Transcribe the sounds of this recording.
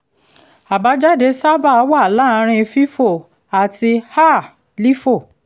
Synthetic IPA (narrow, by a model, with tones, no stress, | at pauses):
a˨ba˨˦d͡ʒa˦de˨˧˦sa˦ba˦˨˦wa˦˨la˦˧˦ɾ̃ĩ˧fi˦fo˦˨ | a˨ti˧ha˦˨ | li˦fo˦˨